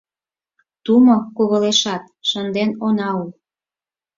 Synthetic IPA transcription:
t̪umokuβɤ̆leʃɑt̪̚ʃənd̪enonɑul

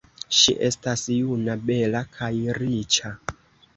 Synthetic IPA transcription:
ʃḭʔe̞stasjunabe̞lakʰajɾit͡ʃa

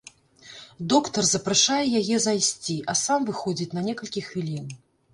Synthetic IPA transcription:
d̪ɔkt̪ɐrzɐpɾaʂajɛjajɛzajsʲt͡sʲiʔɐsamvɨxɔd͡zʲit͡sʲnɐnʲɛkɐlʲkʲixvʲilʲin

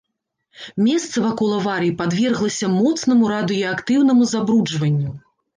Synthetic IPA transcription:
mʲɛst̪sɐvakɔlˠɐvaɾɨipad̪vʲɛrɣlˠɐsʲɐmɔt̪sn̪ɐmuɾad̪ɨjɔakt̪ɨwnɐmuzabɾud͡ʐvɐnʲːu

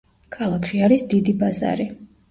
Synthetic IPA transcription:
kʰalˠakʰʃiaɾisd̪id̪ibaza̰ɾi

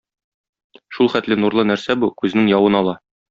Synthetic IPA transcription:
ʃulˠχæt̪lɘnuɾlˠɤnæɾsæbukʉzɘ̆nɘŋjɒwɤnɒlˠɑ

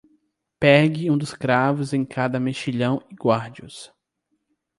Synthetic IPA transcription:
pɛɡɪũd̪ʊskɾavʊzẽj̃kʰad̪ɐmeʃiʎɐ̃w̃iɡwaɾd͡ʒiʊ̰s

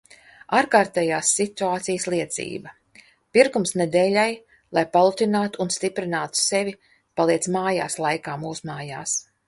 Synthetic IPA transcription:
aːɾkaːɾt̪ɛːjaːsːit̪uaːt̪sijslˠiɛt̪sḭːbɐ | piɾkumsned̪eːlʲaj | lˠajpalˠut̪ʲinaːt̪uːnst̪ipɾinaːt̪u̥sevʲi | palˠiɛt̪smaːjaːslˠajkaːmuːsmaːjaːs

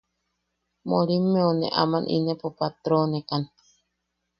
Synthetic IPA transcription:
moɾimːeonḛʔa̰manʔḭnepopat̪ɾoːnekan

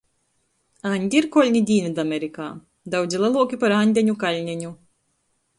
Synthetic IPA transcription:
anʲd̪ʲiɾkɔlʲnʲid̪ʲiːnʲid̪amʲeɾikaː | d̪aw̪zʲilˠalˠuɔkʲipaɾanʲd̪ʲɛɲʲukalʲnʲɛɲʲu

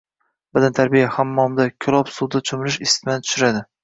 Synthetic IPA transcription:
bad̪ant̪ʰaɾbijahamːɒmd̪akʲʰʊlˠɒpsud̪at͡ʃʰʊmɾɪʃɪst̪ɪmant̪ʰʃɪɾad̪ɪ

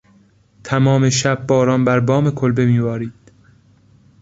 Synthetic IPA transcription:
t̪ʰæmɒːme̞ʃæb̚ːɒːɾɒːnbæɾbɒːme̞kʰolbe̞miːbɒːɾiːd̪̥̚

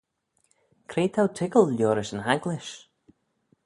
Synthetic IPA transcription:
kʰɾejt̪ʰawt̪ʰɪkəlˠljɔːɾɪsənhaɡlɪʃ

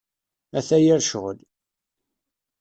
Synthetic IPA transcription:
æθæjiɾʃəʁl

